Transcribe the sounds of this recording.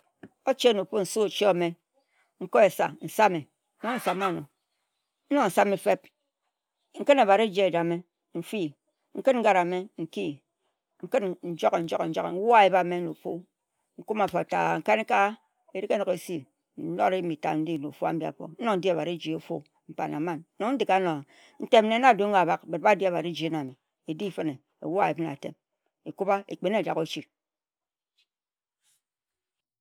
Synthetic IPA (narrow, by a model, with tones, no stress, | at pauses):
o˦t͡ʃe˦no˨po˦n̩˨so˦o˨t͡ʃe˦a˨me˦ | ŋ̩˦ko˦e˨sa̰˨n̩˨sa˦me˨˦ | no˦n̩˨sa˨mo˦˨no˨ | n̩˦nɔ˦n̩˨sa˦me˨fe˦p̚ | ŋ̩˦kɨ˦na˨ba˨ɾe˦d͡ʒe˦e˨da˨me˦ | n̩˦fi˦ | ŋ̩˦kɨ˦tŋ̩˦ɡa˦ɾa˨me˦ŋ̩˨ki˦ | ŋ̩˦kɨ˦tn̩˨d͡ʒo˦ke˨n̩˦d͡ʒo˦ke˨n̩˨˦d͡ʒɔ˦kḛ˨n̩˦wa˦e˨ba˦˨me˦no˨po̰˦ | ŋ̩˦ku˦ma˨fɔ˨a˨ta̰˨ŋ̩˨ka˦ne˦ka˦ | e˦ɾi˦ke˦nɔ˨ke˨si˦ | n̩˦nɔ˦ɾe˦mi˨ta̰˨n̩˦di˦˨no̰˨fo˦a̰˦m̩˦bi˨a̰˨fɔ̰˨n̩˦nɔ˦n̩˦di˦a˨ba˨ɾe˦d͡ʒi˨o˨fo̰˦ | m̩˨pa̰˨na̰˨˦ma˦˨nː˦ɔ˨ŋn̩˦di˨ka˨˦no˨a˨ | n̩˦˨te˦mne˨˦na˦˨do˦a˨ba˦k̚be˨t̚ba˦di˦a˨ba˨ɾe˦d͡ʒi˨e˦na˨mi˨ | e˨di˦˨fe˦ne˨ | ḛ˨wa˦˨e˨bi˦na̰˨tḛ˨m | e˨ku˦ba˦ḛ˨k͡pe˨n˦˨d͡ʒa̰˨ko˦t͡ʃi˨